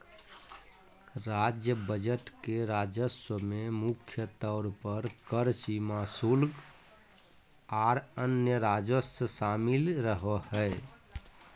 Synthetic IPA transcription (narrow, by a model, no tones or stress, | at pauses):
ɾad͡ʒjəbəd͡ʒəʈkeɾad͡ʒəswəmemukʰjət̪ɔʊɾpəɾkəɾsimasulɡ | aɾənjəɾad͡ʒəsəsamilɾəɦɔɦə